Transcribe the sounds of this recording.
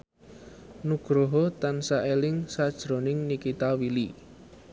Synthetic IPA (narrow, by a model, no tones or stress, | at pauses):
nuɡ̥ɾoɦɔt̪ansaʔelɪŋsad̥ʒ̥ɾo̤nɪŋnikit̪awili